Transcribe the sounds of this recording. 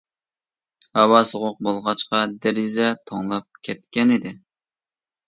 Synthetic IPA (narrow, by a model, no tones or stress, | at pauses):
hɑwɑsoʁʊq̚bolˠʁɑt͡ʃqɑd̪ɛɾɪzɛt̪ʰoŋlˠɑp̚kʲʰɛt̪̚kʲɛnɪd̪ɪ